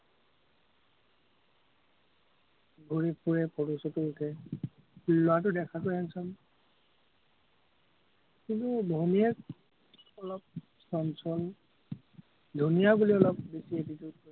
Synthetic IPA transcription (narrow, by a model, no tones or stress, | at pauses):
ɡʱuɹipuɹɛpʰɔtusɔtʊutʰɛ | ilʊatʊdɛkʰakɔjɛnsɔn | kintudʱɔniɛk | ɔlɔp̚ | sɔnsɔl | dʱunijabuliɔlɔpbesietitud̚ɔ